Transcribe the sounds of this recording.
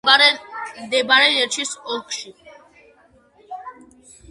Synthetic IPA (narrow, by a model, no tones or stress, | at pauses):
d̪ɛbaɾɛnɛɾt͡ʃʰisɔkʰʼʃi